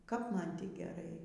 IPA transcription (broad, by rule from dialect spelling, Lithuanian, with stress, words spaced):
kɐp ˈmɐn ˈtʲiː ɡʲɛˈrɐɪ